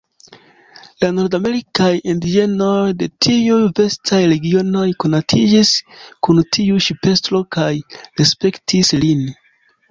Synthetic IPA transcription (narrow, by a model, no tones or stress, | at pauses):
lano̞ɾdame̞ɾikajindid͡ʒe̞no̞jde̞tʰiujve̞stʰajɾe̞ɡiono̞jko̞natʰid͡ʒiskuntʰiuʃipe̞stɾo̞kajɾe̞spe̞ktʰislin